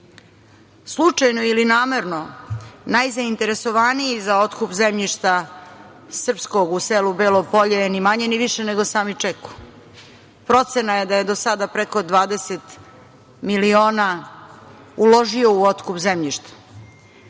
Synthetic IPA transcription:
slˠut͡ʂajnoilinaːme̞ɾno̞najzaint̪e̞ɾe̞so̞ʋaniizao̞t̪kupzemʎiʃt̪a | sr̩psko̞ɡuseːlubeːlopo̞ʎenimaɲeniʋiʃeneɡo̞saːmit͡ʂeku̥ | pɾo̞t̪senaje̞d̪aje̞d̪osad̪apɾeko̞d̪ʋaːd̪eset̪ | milioːna | ulo̞ʒio̞uot̪kupzemʎiʃt̪ḁ

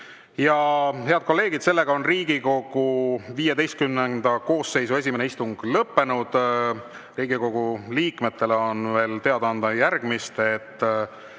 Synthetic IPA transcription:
jɑɦe̞ɑd̪̥̚ko̞lːe̞ːɡ̥id̪se̞lːe̞ɡ̥ɑo̞nriːɡiko̞ɡ̥uviːjed̪e̞jst̪̚kymnend̪̥ɑko̞ːsːe̞jsue̞s̬ʲimeneist̪uŋɡ̥lɤpːe̞nud̪̥ | riːɡ̥iko̞ɡ̥uliːkme̞t̪ːe̞leo̞nve̞ːlt̪e̞ɑd̪ɑɑnd̪̥ɑjærɡ̥mist̪et̪ːˑ

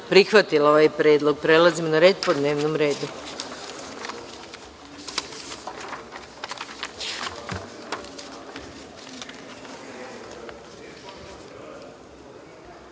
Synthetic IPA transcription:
pɾixʋat̪ilaoʋajpɾeːd̪lˠoɡ̚pɾe̞lazimnaɾeːd̪̚pod̪ne̞ːʋnomɾe̞ːd̪u

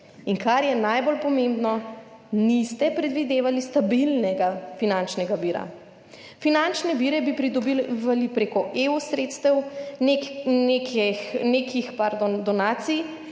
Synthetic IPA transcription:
iŋkaɾjɛnajbolpɔmẽmbnɔ | nist̪ɛpɾɛd̪ʋid̪eːʋalist̪abilnɛɡafinant͡ʃnɛɡabiːɾa̰ | finant͡ʃnɛbiːɾɛbipɾid̪ɔbiʋalipɾeːkɔʔeusɾeːt̪st̪ɛwnenekɛneːkixpaɾd̪d̪ɔnaːt̪sij

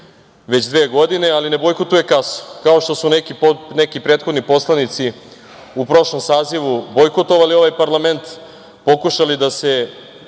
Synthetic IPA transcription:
ʋe̞t͡ɕd̪ʋeːɡo̞d̪ine̞aline̞bo̞jkot̪uje̞kaso̥kao̞ʃt̪o̞sunekiponekipɾeːt̪xod̪nipo̞slˠanit̪si | upɾo̞ʃlo̞msaːziʋubo̞jkot̪o̞ʋalio̞ʋajpaɾlˠame̞nt̪ | po̞kuʃalid̪ase̞

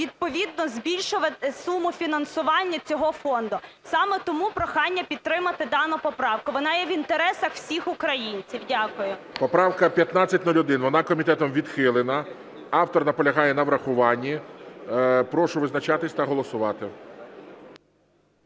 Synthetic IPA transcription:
ʋʲid̪̚pɔʋʲid̪̚nɔzbʲilʲʃʊʋɐt̪ɪsumʊfʲinɐnsʊʋɑnʲːɐt͡sʲɔɦɔfɔnd̪ʊsɑmɛt̪ɔmupɾɔxɑnʲːɐpʲid̪̚t̪ːɾɪmɐt̪ɪd̪ɑnɔpɔpɾɑwkʊʋɔnɑjɛʋint̪eɾɛsɐxwsʲixʊkɾɐjinʲt͡sʲiwdʲakʊjʊ | pɔpɾɑwkɐpʲjɐt̪nat͡sʲːɐtʲnɔlʲʊd̪ɪnʋɔnɑkɔmʲit̪ɛt̪ɔmʋʲid̪xɪlˠɪnɐ | ɑwt̪ɔrnɐpɔlʲɐɦɑjɛnɐʋɾɐxʊʋɑnʲːi | pɾɔʃʊʋɪznɐt͡ʃɑt̪ɪsʲt̪ɐɦɔlˠɔsʊʋɑt̪ɪ

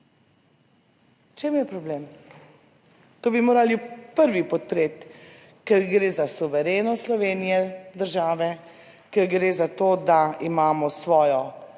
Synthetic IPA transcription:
t͡ʃeːmjɛpɾɔblem | t̪oːbimoːɾalipəɾʋipɔt̪̚pɾeːt̪ | kɛɾɡɾeːzasuʋɛɾeːnɔslɔʋeːnijɛd̪əɾʒaːʋɛ | kɛɾɡɾeːzat̪oːd̪aimaːmɔsʋɔːjɔ

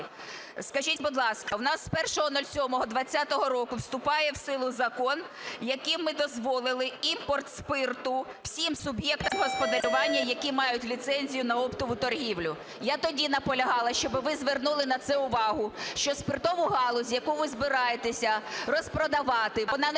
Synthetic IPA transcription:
skɐʒitʲbʊd̪lˠɑskɐwnɑsːpɛrʃɔɦɔnɔlʲsʲɔmɔɦɔd̪ʋɐt͡sʲːat̪ɔɦɔɾɔkʊwst̪ʊpɑjɛwsɪlˠʊzɐkɔn | jɐkimːɪd̪ɔzʋɔlˠɪlˠɪimpɔrt̪spɪrt̪ʊw̥sʲimsʊbjɛk̚t̪ɐmɦɔspɔd̪ɐɾʲʊʋɑnʲːɐjɐkimɑjʊtʲlʲit̪sɛnʲzʲijʊnɐɔpt̪ɔʋʊt̪ɔrɦʲiwlʲʊ | jat̪ɔdʲinɐpɔlʲɐɦɑlˠɐʃt͡ʃɔbɪʋɪzʋernulˠɪnɐt̪sɛʊʋɑɦʊʃt͡ʃɔspɪrt̪ɔʋʊɦɑlˠɔzʲjɐkuʋɪzbɪɾɑjet̪esʲɐrɔspɾɔd̪ɐʋɑt̪ɪnɑ

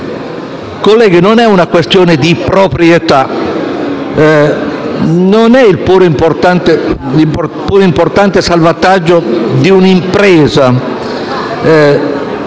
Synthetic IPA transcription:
kolːɛːɡinonɛunakwest̪joːned̪ipɾopɾjet̪a | nonɛilpuːɾoimport̪ant̪e | lipuːɾoimport̪ant̪esalvat̪ad͡ʒːod̪iunimpɾɛːza

